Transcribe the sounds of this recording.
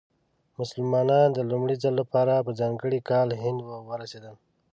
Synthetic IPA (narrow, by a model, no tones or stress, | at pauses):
mʊsəlmɑnɑnd̪əlumɽizalːapɑɾapəzɑŋɡəɽikɑlɦɪnd̪wəwəɾased̪ən